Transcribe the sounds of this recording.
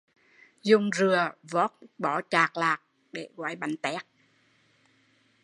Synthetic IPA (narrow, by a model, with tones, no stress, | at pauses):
zʊ˧ŋ͡mzɨ˨˩əvɔ˦˥t̚ɓɔ˧˦t͡ɕaː˨˩k̚laː˨˩k̚ | ɗe˧˩ɣwaː˨˦jɓa˨˦ŋt̪ɛ˦˥k̚